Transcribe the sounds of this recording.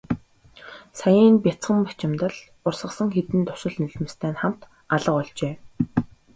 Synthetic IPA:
sajiːnpʲjat͡sχə̆mpat͡ɕɪ̆mt̪ə̆ɮ | ʊrsə̆sə̆ŋxet̪ɘ̆nt̪ʊ̥sɪ̆ɮniɮ̆mɘ̆st̪ʰæːnχam̥t̪ | aɮə̆qɔɮt͡ɕeː

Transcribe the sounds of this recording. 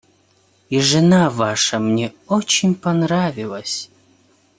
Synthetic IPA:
iʐɨnavaʂəmnʲeot͡ɕɪnʲpɐnravʲilˠəsʲ

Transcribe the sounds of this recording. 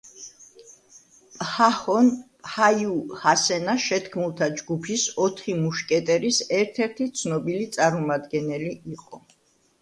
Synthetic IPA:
pʼhahɔnphajuhasɛnaʃɛt̪ʰkʰmulˠt̪ʰad͡ʒɡupʰisɔt̪ʰχimuʃkʼɛt̪ʼɛɾisɛɾt̪ʰɛɾt̪ʰit̪sʰnɔbilit̪sʼaɾmumad̪ɡɛnɛliiqʼɔ

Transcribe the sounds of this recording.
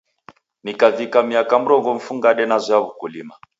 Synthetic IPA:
nikavikamiakam̩ɾɔŋɡɔm̩fuŋɡaɗɛnazɔaβukulima

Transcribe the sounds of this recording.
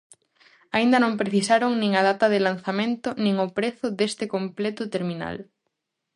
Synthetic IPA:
aind̪ɐnõmpɾeθisaɾoŋnĩŋað̞at̪ɐðɪlan̟θamẽnt̪ʊnĩŋopɾeθʊðest̪ɪkomplet̪ʊt̪eɾmĩna̰l

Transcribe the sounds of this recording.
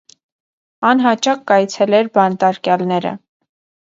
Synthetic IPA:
ɑnɦɑt͡ʃɑkːɑjt͡sʰɛlɛɾbɑnt̪ɑɾkjɑlnɛɾə̰

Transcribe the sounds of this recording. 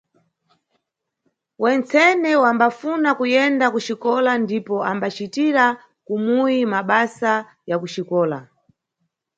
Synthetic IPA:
wɛnt͡sɛnɛwambafunakujɛndakuʃikɔlandipɔambat͡ʃitiɾa | kumujimaɓasa | jakuʃikɔːla

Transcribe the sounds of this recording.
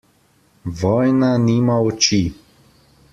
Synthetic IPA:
ʋɔːjnaniːmaɔt͡ʃi

